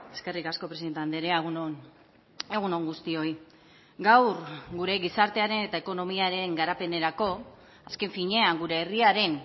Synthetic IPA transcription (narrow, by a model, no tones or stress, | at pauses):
e̞ske̞rikasko̞pɾeie̞nt̪eand̪eɾeaɣunon | eɣuno̞ŋɡust̪io̞i | ɡawrɡuɾe̞ɣisaɾt̪e̞aɾe̞ne̞t̪aeko̞no̞miaɾe̞ŋɡaɾape̞ne̞ɾako̞ | aske̞ɱfiɲe̞aŋɡuɾe̞ːriaɾe̞n